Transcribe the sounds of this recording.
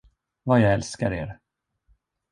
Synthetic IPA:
vajaɡɛlskaɾeːɾ

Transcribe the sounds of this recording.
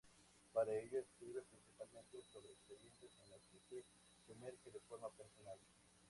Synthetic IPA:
paɾaeʎoeskɾiβepɾĩnsipalmẽnt̪esoβɾeːkspeɾjẽnt̪esenat̪ise | kemeɾkeðefoɾmapeɾsonal

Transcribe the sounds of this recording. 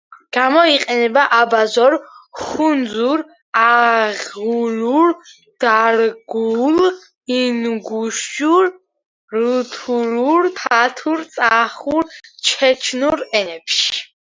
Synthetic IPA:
ɡ̥amɔiqʼɛnɛbaʔabazɔɾχund̪zuɾ | aʁuluɾ | d̪̥aɾɡul | inɡuʃuɾ | ɾut̪ʰuluɾt̪ʰat̪ʰuɾt̪sʼaχuɾt͡ʃʰɛt͡ʃʰnuɾɛnɛpʃi̥

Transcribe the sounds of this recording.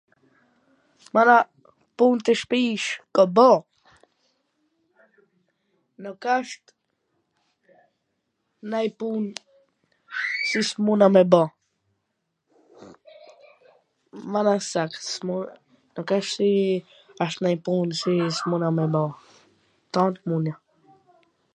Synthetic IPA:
mana | punt̪əʃpiːʃkobɔ | nokaʃt̪ | najpun | sismunamɛbɔ | manasaksmu | nɔkaʃsi | aʃt̪najpunsismunamɛbɔ | t̪ɔnt̪munja

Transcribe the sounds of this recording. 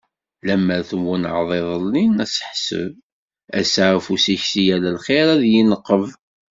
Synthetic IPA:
læmːæɾθəmwænʕðˤeðˤəlninæsə̥ħsə̰v | æ̰saʕfusiçsijælælχeɾæðjinəqːəv

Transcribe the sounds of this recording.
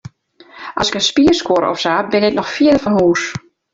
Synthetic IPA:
ʔɔsɪkənspiːərskoɾɔ̰fsaːbɪnɪk̚nɔxfiədəfɔnhuːs

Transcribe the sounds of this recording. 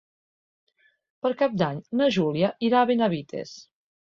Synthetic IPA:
pəɾkap̚d̪aɲnəʒuliəʔiɾaβenaβit̪ʰḛs

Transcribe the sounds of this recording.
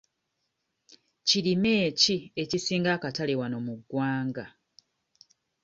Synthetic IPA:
cilime̞ːcie̞cisiːŋɡaːkatalewano̞muɡwaːŋɡa

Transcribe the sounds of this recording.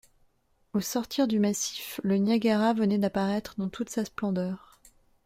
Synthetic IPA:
osɔʁt̪ʰiʁd̪ymasi̥flənjaɡʲaʁavənɛd̪apaʁɛt̪χəd̪ɑ̃t̪ʰut̪sasplɑ̃d̪œːʁ

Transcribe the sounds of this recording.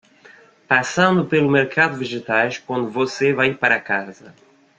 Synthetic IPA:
pasɐ̃nd̪ʊpelumeɾkʰaðʊviʒet̪ajʃkwɐ̃nd̪uvosevajpaɾakazɐ

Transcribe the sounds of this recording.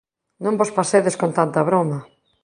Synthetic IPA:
nõmbospaseðeskont̪ant̪ɐβɾomɐ

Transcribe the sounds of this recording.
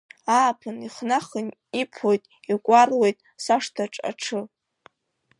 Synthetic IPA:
aːpʰɨniχnaχənipʰojtʼikʷʼarle̞jtʼsaʂtʰaʈ͡ʂʼa̰ʈ͡ʂʰɨ

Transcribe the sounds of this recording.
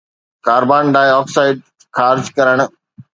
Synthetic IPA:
kaːɾbaːnɖaːjɔːksaːɪɖ̚ | xʰaːɾd͡ʑkɐɾəɽ̃ʊ̆

